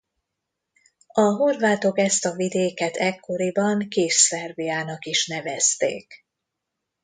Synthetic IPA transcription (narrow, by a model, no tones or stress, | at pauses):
ɒɦo̞rvaːt̪o̞kɛst̪ɒvid̪eːkɛt̪ʰɛkʰːo̞ɾibɒŋkeːʃsɛrbijaːnɒkiʃnɛvɛst̪ḛːk